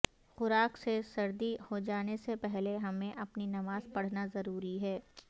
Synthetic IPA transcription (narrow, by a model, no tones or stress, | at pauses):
xʊɾaːksesɐɾd̪ihod͡ʒaːnesepɛɦleɦɐmẽʔɐpninɐmaːzpɐɽ̤nazɐɾuːɾiɦɛː